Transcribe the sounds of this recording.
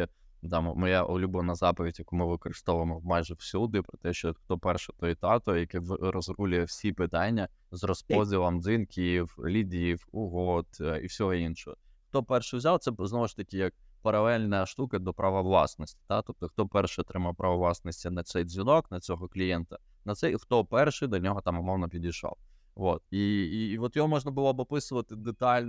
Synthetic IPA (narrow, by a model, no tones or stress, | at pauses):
d̪ɑmmɔjaʔʊlʲubɔnɐzɑpɔʋʲidʲjɐkumɪʋɪkɔɾɪst̪ɔʋʊjemɔmajʒɛwsʲud̪ɪpɾɔt̪ɛʃt͡ʃɔxt̪ɔpɛrʃɛt̪ɔjt̪ɑt̪ɔjɐkɛʋɾɔzɾulʲʊjɛwsʲipɪt̪ɑnʲːɐ | zrɔspɔzʲilˠɐmd̪zinkʲʰiwlʲidʲiwʊɦɔt̪ḭwsʲɔɦɔinʃɔɦɔ | xt̪ɔpɛrʃɪwzʲawt̪sɛznɔʋʊʃt̪ɐkʲɪjɐk̚ | pɐɾɐlˠɛlʲnɐʃt̪ukɐd̪ɔpɾɐʋɐʋlˠɑ̰snɔsʲtʲi̥t̪at̪ɔp̚t̪ɔxt̪ɔpɛrʃɪɔt̪ɾɪmɐwpɾɐʋɐʋlˠɑsnɔsʲtʲinɐsɛjzʲʋʲinɔknɐt͡sʲɔɦɔklʲijɛnt̪ɐ | nɐt̪sɛjxt̪ɔpɛrʃɪd̪ɐnʲɔɦɔt̪ɑmɔmɔwnɐpʲidʲijʃɔ̰w | ʋot̪iʋɔt̪jɔɦɔmɔʒnɐbʊlˠɔbɔpɪsʊʋɐt̪ɪd̪et̪ɑlʲn